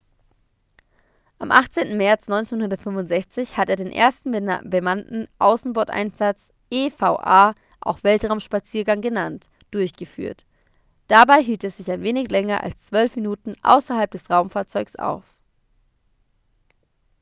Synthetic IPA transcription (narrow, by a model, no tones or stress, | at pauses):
ʔamʔaχt͡seːntn̩mɛɐt͡snɔʏnt͡senhʊndɐtfʏmvʊntz̥ɛçt͡sɪçhateːɐdeːnʔḛːɐstn̩bəmantn̩ʔa̰ʊsn̩bɔɐtʔa̰ɪnz̥at͡s | ʔeːfaʊʔa̰ː | ʔa̰ʊxv̥ɛltʁ̥aʊmʃpat͡siːɐɡaŋɡənant | d̥ʊɐçɡ̥əfy̰ːɐt | d̥abaɪɦiːltɛsz̥ɪçaɪnveːnɪçlɛŋɐʔa̰lst͡sv̥œlfminuːtn̩ʔa̰ʊsɐhalp̚d̥ɛsʁaʊmfaːɐt͡sɔʏksʔa̰ʊf